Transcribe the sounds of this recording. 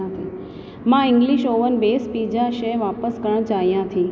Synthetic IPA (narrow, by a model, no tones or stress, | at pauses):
ãt̪ʰi | mãɪ̃ŋɡliʃoːʋənbeːspid͡ʒaʃeʋapəskəɳ̃t͡ʃaijãt̪ʰi